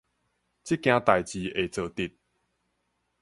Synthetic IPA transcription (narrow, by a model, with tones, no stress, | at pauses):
t͡ɕi˦kj̃ã˧t̪a˨jt͡ɕi˨e˨˩t͡sə˨˩t̪i˧t̪̚